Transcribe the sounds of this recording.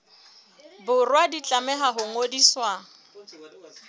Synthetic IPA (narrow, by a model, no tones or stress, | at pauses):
bʊrwadit͡ɬʼamɛɦaɦʊŋodiswa